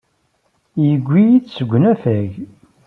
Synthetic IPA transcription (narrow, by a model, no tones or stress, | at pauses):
jəɡʷːijidsəɡʷːənæfæʝ